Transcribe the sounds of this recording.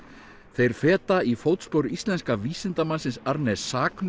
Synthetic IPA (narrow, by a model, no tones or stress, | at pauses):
θejɾ̥fɛːt̪aifoːwt̪spowɾist̪lɛnskaviːsɪnt̪amansɪnsaɾnɛsːaːkn